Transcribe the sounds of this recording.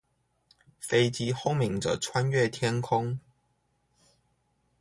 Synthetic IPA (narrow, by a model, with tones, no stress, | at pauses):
fe˥ɪt͡ɕi˥xo˥˩mi˨˩ŋʈ͡ʂə̰˨ʈ͡ʂʰwa˥nɥɛ˥˨t̪ʰjɛ˥nkʰʊ˥ŋ